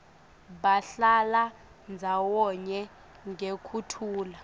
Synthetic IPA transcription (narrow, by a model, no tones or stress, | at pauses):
ɓaɬala | nd͡zʱawɔɲɛ | ŋɡekʰutʰuːla